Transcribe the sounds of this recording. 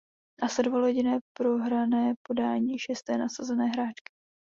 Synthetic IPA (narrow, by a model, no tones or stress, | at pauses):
nasɛdvoloɟɪnɛːpɾo̞ɦɾanɛːpo̞daːɲiːʃɛst̪ɛːnasazɛnɛːɦɾaːt͡ʃkɪ̥